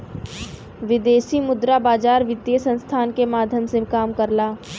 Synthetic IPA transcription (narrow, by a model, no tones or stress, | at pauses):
ʋɪd̪eːsimʊd̪ɾabaːd͡ʒaːɾʋɪd̪jəsə̃nst̪ʰaːnkemaːd̪ʱjəmsekaːmkəɾlaː